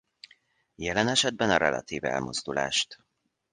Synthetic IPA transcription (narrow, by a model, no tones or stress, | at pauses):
jɛlɛnɛʃɛd̪̚bɛnɒɾɛlɒ̰t̪iːvɛ̰lmozd̪ula̰ːʃt̪